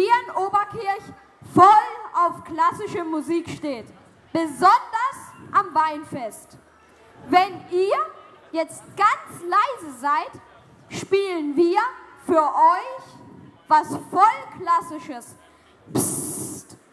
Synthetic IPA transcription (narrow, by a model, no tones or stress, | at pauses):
iːənʔoːbɐkʰɪɐç | fɔlʔaʊfklasɪʃəmuziːkʃteːt | b̥əzɔndɐsʔamvaɪnfɛst | vɛnʔiːɐ | jɛt͡st̚ɡ̥ant͡slaɪzəzaɪt | ʃpiːlənviːɐfyːɐʔɔʏçvasfɔlkʰlasɪʃəs | pt